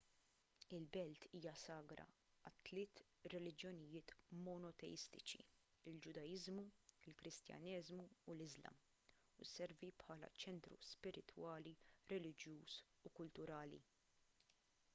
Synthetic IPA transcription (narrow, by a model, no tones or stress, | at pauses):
ɪlbɛlt̪ʰiːjɐsɐːɡɾɐ̰ | ɐt̪ːlɪːt̪ | ɾɛlɪd͡ʒjɔnɪjɪːt̪mɔnɔt̪ɛ̰jɪst̪ɪt͡ʃḭ | ɪld͡ʒʊd̪ɐjɪzmuɪlkɾɪst̪jɐ̰nɛzmuːlɪzlɐ̰m | usɛɾvipħɐːlɐ̰t͡ʃɛnt̪ɾṵspɪɾɪt̪wɐːliɾɛlɪd͡ʒjuːs | ukʊlt̪ʊɾɐːlḭ